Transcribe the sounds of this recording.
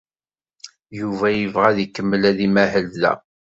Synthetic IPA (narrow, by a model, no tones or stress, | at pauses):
juvæjəvʁæðikːəmːəlæðimæhəlðæ̰